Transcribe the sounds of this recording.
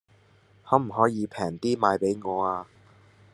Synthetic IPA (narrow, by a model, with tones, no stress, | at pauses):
hɔː˨˧˥m̩˨˩ɦɔː˨˥jiː˨˧pʰɛː˨˩ŋt̪iː˥maː˨˧jpe˨˥jŋɔː˨˧aː˧